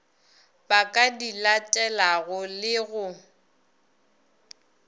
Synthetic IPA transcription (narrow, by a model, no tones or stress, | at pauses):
bakʼadilatʼɛlaɣʊlɪɣʊ